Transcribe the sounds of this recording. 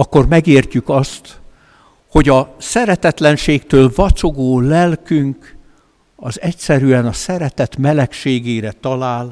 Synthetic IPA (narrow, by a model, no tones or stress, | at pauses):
ɒkːo̞rmɛɡeːrcykɒst̪ | ho̞ɟɒsɛɾɛt̪ɛt̪lɛnʃeːkt̪øːlvɒt͡ʃo̞ɡoːlɛlkyŋk | ɒzɛcsɛɾyɛnɒsɛɾɛt̪ɛt̪mɛlɛkʃeːɡeːɾɛt̪ɒlaːl